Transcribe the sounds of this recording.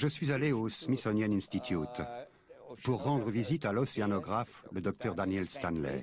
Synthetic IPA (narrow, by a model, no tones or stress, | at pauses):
ʒəsɥizaleosmisɔnjɛnĩnst̪it̪ʰjut̪ | puʁːɑ̃d̪ʁəvizit̪alɔseanɔɡʁafləd̪ɔk̚t̪œʁd̪anjɛlst̪anlɛ̰